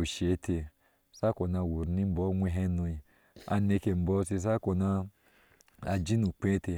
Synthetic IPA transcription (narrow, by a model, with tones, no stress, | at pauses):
o˨ʃe˨˦tʰe˧ | sa˦ko˨na˧˨wu˨ɾni˦m̩˦bɔ˦ŋʷe˧ɦe˦nu˧i˨ | a̰˧ne˧ke˨m̩˨bɔ˨˦te˧s̬a˦ko˨na˧ | a˨d͡ʒi˦nu˨k͡pẽ˦te˧